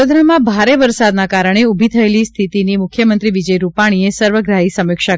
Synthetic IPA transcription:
od̪ʱɾamãbʱaɾeʋəɾsad̪nakaɾəɳ̃eubʱit̪ʰəelist̪ʰit̪inimʊkʰjəmənt̪ɾiʋid͡ʒəjɾupaɽ̃iesəɾʋəɡɾaɦisəmɪkʃa

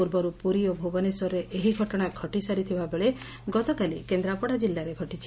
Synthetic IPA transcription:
puɾbɔɾupuɾiɔbʱoɡɔnesɔɾɾeʔeɦiɡʱɔʈɔɽ̃akʰɔʈisaɾit̪ʰibabeɭe | ɡɔt̪ɔkalikend̪ɾapɔɽad͡ʒilːaɾeɡʱɔʈit͡ʃʰi̥

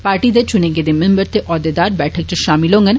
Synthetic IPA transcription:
paːɾʈid̪et͡ʃʊnẽked̪ɪmẽmbəɾt̪eʔɔːd̪ed̪aːɾbɛːʈʰək̚t͡ʃɐʃaːmɪlɦõŋɡən

